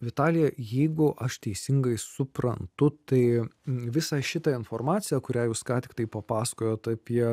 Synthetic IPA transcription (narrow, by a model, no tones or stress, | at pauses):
ʋʲɪt̪ɑːlʲɪjɛjɛɪɡʊʔɐʃt̪ʲɛɪsʲɪŋɡɐɪsʊpɾɐ̰nt̪ʊt̪ɐɪʋʲɪsɑʃʲɪt̪ɑɪnfoːrmɑːt̪sʲɪjɛːkʊɾʲæːjuːskɑːt̪ʲɪ̥k̚t̪ɐɪpɐpɑːsɐ̥koːjoːt̪ɑpʲiɛ